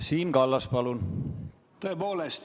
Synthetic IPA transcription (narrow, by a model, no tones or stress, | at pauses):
siːnɡ̥ɑlːɑspɑlun | t̪oepoːlest̪